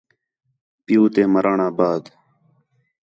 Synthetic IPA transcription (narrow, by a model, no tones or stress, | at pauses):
pɪjuːt̪eːməɾaːɳaːbaːd̪